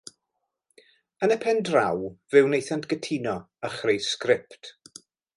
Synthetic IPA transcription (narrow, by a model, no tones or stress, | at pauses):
ənəpʰɛndrawvɪwnejθantʰɡ̥ətʰiːnɔ | əχrejskrɪptʰ